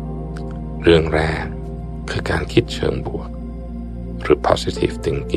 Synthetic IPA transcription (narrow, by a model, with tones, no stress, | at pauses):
ɾɯ˧˩əŋɾɛː˧˩ŋ | kʰɯː˧kaː˧nkʰi˦˥t̪̚t͡ɕʰɤ̰ː˧˩˦ŋbu˨˩ək̚ | ɾɯː˩˦pʰɔ̰ː˧si˧˩t̪ʰḭː˧˩ft̪ɯ˧˩ŋki˧˩